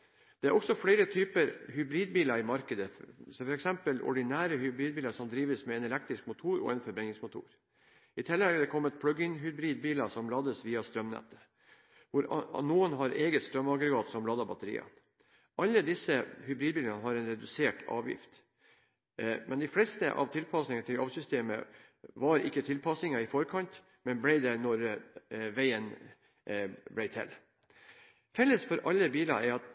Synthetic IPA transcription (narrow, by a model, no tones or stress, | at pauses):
d̪̥ɛæɾʔɔksɔfɽeɪɾət̪ʰyːpəɾɦʉbɾiːd̪̚biːlɑɪmɑɾkəd̪əsɔfɔɾɛksɛmpəlʔɔ̰ɖɪnæːɾəhʏbɾiːd̪̚biːlɑsɔmd̪ɾiːʋəsmɛɛnɛlɛk̚t̪ɾɪskmʊt̪ʰuːɾɔ̰ɛnfɔɾbɾɛŋɪŋsmʊt̪ʰṵːɾ | ɪt̪ʰɪlːɛɡæɖ̪ɛkʰɔmːət̪̚pʰlʉɡɪŋɦʉbɾiːd̪̚biːlɑsɔmlɑːd̪əsʋiːɑst̪ɾœmnɛ̰t̪ːə̥ | ʋʊɾnuːənɦɑɾeːɡət̪st̪ɾœmːɑɡɾɛɡɑːt̪sɔmlɑːd̪ɑbɑt̪əɾḭːɑ̰ | ʔɑlːəd̪ɪsəhʉbɾiːd̪biːlɑnəɦɑɾɛnɾɛd̪ʉseːʈɑ̰ːʋjɪ̰ft̪ | mʔɛnd̪ɪflɛst̪ə̰ʔɑ̰ʋt̪ʰɪlpʰɑsnɪŋnt̪ʰɪlɑʋsʏst̪eːmə̰ | ʋɑɾɪkːət̪ʰɪlpʰɑsnɪŋɑɪfɔɾkʰɑnt̪ | mɛnblɛɪd̪ænɔɾ | ʋæɪən | blɛɪt̪ʰɛ̰lː | fɛlːəsfɔɾʔɑlːəbiːlɑ̰æɾɑt̪